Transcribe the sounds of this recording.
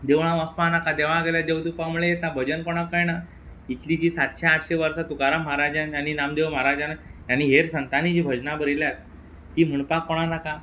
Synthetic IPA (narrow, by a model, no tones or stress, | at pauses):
d̪eʋɽ̃ãʋəspãnakad̪eʋ̤ãɡeljad̪ewt̪upamuɭeet̪abʱəd͡ʑənkɔɽ̃akəjna | it̪liːt̪iːsat̪ɕeaʈ̪ʰɕeʋəɾsat̪ukaɾamɦaɾad͡ʑãnjaninamd̪eʋm̤aɾad͡ʑãnaaniɦeɾsənt̪anid͡ʑiːbʱəd͡ʑnabəɾiljat̪̚ː | iːm̤əɳpakːɔɽ̃anaka